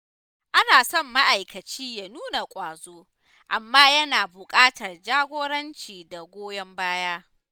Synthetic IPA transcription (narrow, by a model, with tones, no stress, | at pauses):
ʔa˦naː˨sɔ˦˨mːa˦ʔa˨jkɐ˨t͡ʃiː˦ja˨nuː˦na˨kʷʼaː˨zoː˦ | ʔa˨mːaː˦jɐ˦naː˨bʊ˨kʼaː˦tɐ˨rd͡ʒaː˦ɡʷoː˦ɽɐ˦nt͡ʃiː˨da˨ɡʷoː˦jɐ˦mbaː˦jaː˦